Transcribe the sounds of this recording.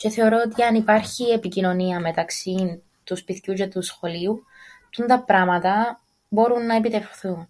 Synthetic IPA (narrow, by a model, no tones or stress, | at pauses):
ce̞θe̞o̞ɾo̞ot̪iɐnipɐɾçie̞picino̞niɐme̞t̪ɐksi | t̪uspiθcucet̪usxo̞liu | t̪und̪ɐpɾɐmɐt̪ɐ | bo̞ɾunːɐepit̪e̞fθun